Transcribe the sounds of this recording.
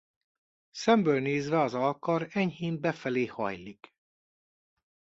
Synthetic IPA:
sɛmbøːlneːzvɛɒzɒlkɒɾɛɲhiːmbɛfɛleːhɒ̰jlik

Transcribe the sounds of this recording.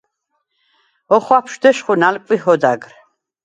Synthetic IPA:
ɔχwapʰʃd̪ɛʃχunalkʼwiɦɔd̪a̰ɡɾ

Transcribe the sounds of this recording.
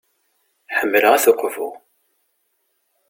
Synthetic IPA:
ħəmːələʁæθʊqvʊʁ

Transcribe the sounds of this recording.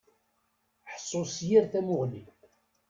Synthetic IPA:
ħsˤːosjiɾθæmʊʁli

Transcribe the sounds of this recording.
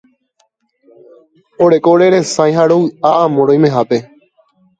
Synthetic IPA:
oɾekoːɾeɾesãj̃ɦaɾoɨaãmõɾoj̃mẽɦape̞

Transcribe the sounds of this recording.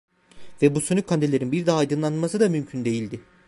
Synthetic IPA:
vɛbusynykʰand̪elʲe̞ɾinbiɾd̪aːjd̪ɯnlˠanɯlmasɯd̪amymcʰynd̪e̞jilʲd̪ɪ

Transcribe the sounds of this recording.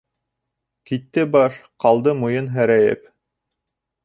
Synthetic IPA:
kit̪ːɘbɑʃqɑlˠd̪ɤmŭjɤnɦæɾæjɘ̰p

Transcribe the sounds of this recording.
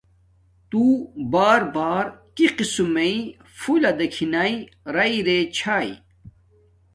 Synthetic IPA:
t̪uːbaːɾbaːɾkiqisumei | fulɐd̪ɐkʰinɐi | ɾɐiɾet͡ɕʰaːḭ

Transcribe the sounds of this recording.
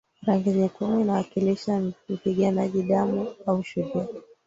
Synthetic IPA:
ɾaŋɡiɲikumiinawakiliʃam̩piɠanaʄiɗamuauʃuɗia

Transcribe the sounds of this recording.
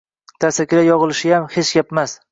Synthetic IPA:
t̪ʰasakʲɪɾajɒʁɨlɪʃɪjamhet͡ʃɡʲapmas

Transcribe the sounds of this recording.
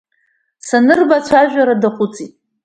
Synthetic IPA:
sanɨrbat͡ɕʷʰaʒᶣaɾadaχʷʊt͡sʼitʼ

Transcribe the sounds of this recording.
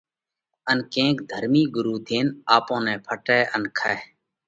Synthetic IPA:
ənkẽːkd̪ʱəɾmiːɡʊɾuːt̪ʰeːnaːpõːnɛ̃ːpʰəʈɛːʔənkʰaː

